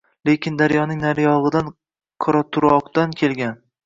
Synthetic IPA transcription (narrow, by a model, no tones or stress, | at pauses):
le̞kʲɪnd̪aɾjɒnɪŋnaɾjɒʁɨd̪an | qʰɒɾɒt̪ʰʊɾɒqt̪ankʲʰe̞lɡʲan